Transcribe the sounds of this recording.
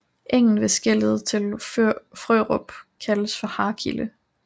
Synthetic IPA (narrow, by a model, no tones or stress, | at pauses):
ʔeŋ̰n̩ʋe̝sɡ̥eləð̩ˠt͡sʰe̝lføfʁø̰ʁɔb̥kʰæləsfɒ̽hɑ̈kʰilə